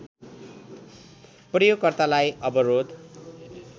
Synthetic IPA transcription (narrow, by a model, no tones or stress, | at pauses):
prʌjoɡkːʌrt̪alajʌbʌɾod̪